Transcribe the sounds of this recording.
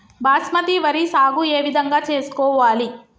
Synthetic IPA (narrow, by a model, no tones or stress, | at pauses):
baːsmɐt̪iʋɐɾisaːɡueːʋid̪ʱɐŋɡaːt͡ʃe̞ːsu̥kɔːʋaːli